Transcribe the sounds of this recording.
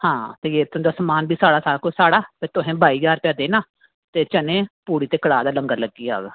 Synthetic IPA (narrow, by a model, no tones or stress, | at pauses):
hãːt̪eːjeːt̪ʊ̃ːd̪aːsəmaːnbiːsaːɽaːsaːɽaːkʊsaːɽaːp̪eːt̪ʊɦẽːbaːiːd͡ʒaːɾpɛːd̪eːnaː | t̪eːt͡ʃənẽːpuːɽiːt̪eːkəɽaːd̪aːləŋɡələɡːiːa̰ːɡ